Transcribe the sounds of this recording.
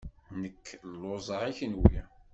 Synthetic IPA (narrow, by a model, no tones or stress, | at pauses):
nəkːlːozˤəɾiçənwi